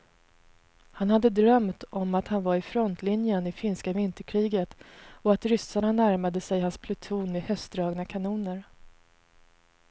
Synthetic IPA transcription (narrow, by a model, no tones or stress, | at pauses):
hanhad̪ːəd̪ɾœmt̪ɔmat̪hanvaɾɪfɾɔnt̪ʰlɪnjənɪfɪnskavɪnt̪əkʰɾiːɡət̪ɔat̪ɾʏsaɳanæɾmad̪əsɛjhanspʰlʊt̪ʰuːnɪhœst̪d̪ɾɑːɡnakʰanuːnəɾ